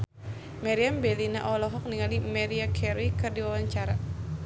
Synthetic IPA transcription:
maɾiambɛlinaʔɔlɔɦɔk̚niŋalimaɾiakʰɛɾikɨrdiwawaɲt͡ʃaɾa

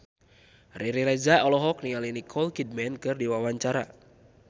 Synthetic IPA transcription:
riɾiɾɛd͡ʒaɔlɔɦɔk̚niŋalinikʰɔlkid̚mɛnkɨrdiwawaɲt͡ʃaɾa̰

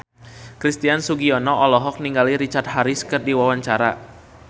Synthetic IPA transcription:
kɾist̪iansuɡiɔnɔʔɔlɔɦɔk̚niŋɡaliɾit͡ʃart̪̚ɦaɾiskərdiwawaɲt͡ʃaɾa̰

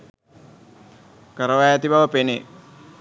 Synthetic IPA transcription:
kəɾəʋajæt̪ibaʋəpene

